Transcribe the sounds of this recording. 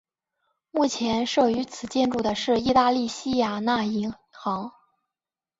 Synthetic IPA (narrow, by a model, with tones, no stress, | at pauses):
mu˥˩t͡ɕʰjɛ˧˥nʂɤ˥˩y˧˥t͡sʰɹ̩˨˩t͡ɕjɛ˥˧nʈ͡ʂu˥˩d̪ə˩ʂɻ̩˥˧i˥˧t̪a˥˧li˥˩ɕi˥ja˨˩na˥˩i˧˥ŋ | xɑ˧˥ŋ